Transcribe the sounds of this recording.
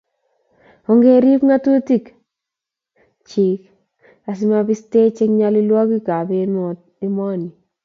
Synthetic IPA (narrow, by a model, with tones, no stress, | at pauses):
ɔ˦ŋɡe˦ɾi˦pŋa˦tu˦ti˦k | t͡ʃi˨k | a˨s̬ɪ˦ma˦bɪ˦ste˦t͡ʃe˦kɲa˦lɪ˦lwɔ˦ki˦ka˨be˦nmɔ˨t̚ | ɪ˦mɔ˦ni˨